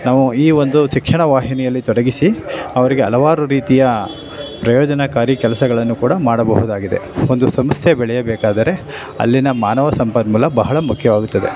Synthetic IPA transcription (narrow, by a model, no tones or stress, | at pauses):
naːʋuiːo̞nd̪uʃikʂɐɳɐʋaːɦinɛjɐlːit̪ɔɽɐɡisiɐʋɐɾiɡeɐlɐʋaːɾuɾiːt̪ijɐ | pɾɐjoːd͡ʒɐnɐkaːɾikɛlɐsɐɡɐɭɐnːukuːɽɐmaːɽɐbɐɦud̪aːɡid̪e̞̰o̞nd̪usɐmɐst̪jɐbɛɭɛjɐbɛːkaːd̪ɐɾe̞ | ɐ̰lːinɐmaːnɐʋɐsɐmpɐd̪mulːɐbɐɦɐɭɐmukʰjɐʋaːɡut̪ːɐd̪e